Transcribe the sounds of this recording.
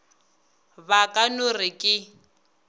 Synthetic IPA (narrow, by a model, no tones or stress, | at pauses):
βakʼanʊrɪkʼɪ